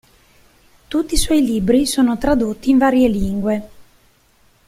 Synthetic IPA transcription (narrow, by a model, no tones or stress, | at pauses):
t̪ut̪ːiswɔjlibɾisoːnot̪ɾad̪ot̪ːiːɱvaːɾjeliŋɡwe